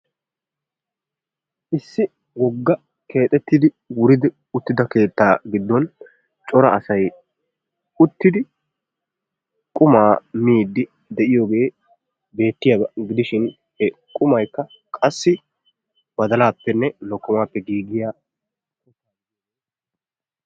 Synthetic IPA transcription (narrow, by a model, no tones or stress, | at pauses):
ʔɪsːɪ | wɔɡːɐ | ke̞ːt̪ʼɛt̪ːɪd̪ɪ | wʊɾɪd̪ɪ | ʊt̪ːɪd̪ɐke̞ːt̪ːaːɡɪd̪ːɔn | t͡ʃʼɔɾɐɐsɐj | ʊt̪ːɪd̪ɪ | kʼʊmaːmiːd̪ːɪ | d̪ɛʔɪjo̞ːɡe̞ː | be̞ːt̪ːɪjaɡɪd̪ɪʃɪn | hɛkʼʊmɐjkːɐ | kʼɐsːɪ | bɐd̪ɐlaːpːɛnːɛnɔkːʊmaːpːɛɡiːɡɪja